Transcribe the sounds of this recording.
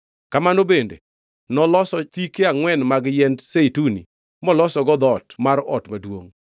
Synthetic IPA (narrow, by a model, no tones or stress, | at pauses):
kamanobendḛ | nɔlɔsɔtikeaŋwɛnmaɡjɛndseitunḭ | mɔlɔsɔɡɔd̪ɔtmaɾɔ̰tmadwo̰ŋ